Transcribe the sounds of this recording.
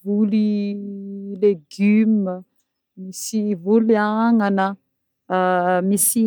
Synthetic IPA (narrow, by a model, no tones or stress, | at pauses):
vuli | leɡymə | misivuliaŋanə | misi